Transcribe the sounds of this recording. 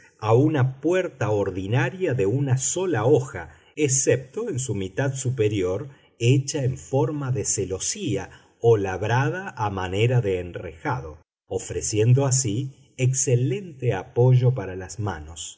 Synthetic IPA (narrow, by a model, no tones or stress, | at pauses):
aunapweɾt̪aoɾðinaɾjaðeunaso̞laoxa | essep̚t̪oensumit̪aðsupeɾjoɾ | et͡ʃaeɱfoɾmaðeselo̞sia | olaβɾaðaʔːmaneɾaðeːnrexaðo̞ | ofɾesje̞nd̪oasi | eksele̞nt̪eapo̞ʒo̞paɾalazmano̞s